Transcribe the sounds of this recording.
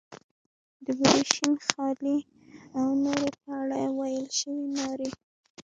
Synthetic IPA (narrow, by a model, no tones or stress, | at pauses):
d̪əbdiʃinxɑli | awnoɾopaɽajwajəlʃəwinɑɾi